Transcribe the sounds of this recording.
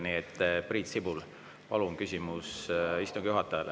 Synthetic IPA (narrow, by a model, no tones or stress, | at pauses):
niet̪ːˑpriːt̪sibul | pɑluŋkysʲimusist̪uŋɡ̥juɦɑt̪ːˑɑjɑl